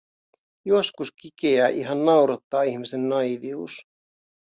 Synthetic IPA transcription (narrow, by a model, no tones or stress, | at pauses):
joskuskikeæːʔiɦɑnːɑwɾɑt̪ːɑːihmisenːɑjʋiuːs